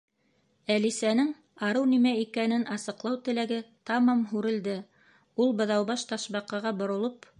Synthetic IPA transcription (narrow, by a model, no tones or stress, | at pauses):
ælisænɘŋ | ɑɾɤwnimæikænɘnʔɑsɤ̆qlˠɑwt̪ɘ̆læɡɘt̪ɑmɑmɦʉɾɘ̆ld̪ɘ | ulˠbɤ̆ðɑwbɑʃt̪ɑʃβɑqɑʁɑbŏɾŏlˠop